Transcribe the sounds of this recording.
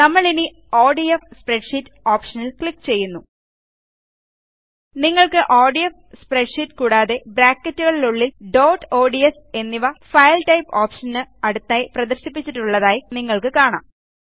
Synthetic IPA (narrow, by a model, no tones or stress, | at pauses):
nɐmːɐɭini | oːɖijefspreɖʂitːoːpʂɐnilkɭikːt͡ɕe̞jːunːu | niŋːɐɭkɨʔoːɖijɐfspreɖʂitːkuːɽaːðe̞bɾaːkːɐtːuɣɐɭiluɭːilɖo̞ːʈo̞ːɖies | e̞nːiʋɐfɐjlʈɐjpoːpʂɐnɨɐɽut̪ːaːjiprɐðɐrɕipːit͡ɕːiʈːuɭːɐðaːjiniŋːɐɭkɨkaːɳa̰ːm